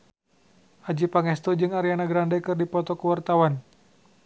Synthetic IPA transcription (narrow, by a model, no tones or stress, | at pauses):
ʔad͡ʒipaŋɛst̪ɔd͡ʒɨŋaɾianaɡɾandakɨrdipɔt̪ɔkəwart̪awan